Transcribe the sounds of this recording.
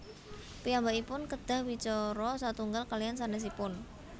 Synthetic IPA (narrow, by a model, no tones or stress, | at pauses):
pijambaʔipʊnkəd̪̥a̤hwit͡ʃɔɾɔsat̪uŋɡalkalijansanɛs̬ipʊn